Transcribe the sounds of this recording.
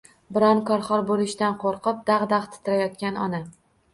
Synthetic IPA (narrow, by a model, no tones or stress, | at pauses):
bɪɾɒnkʰɒɾχɒɾbolɪʃt̪anqʰoɾqʰɨp̚d̪ɑʁd̪aʁt̪ʰɪ̥t̪ʰɪɾajɒt̪̚kʲanɒ̰na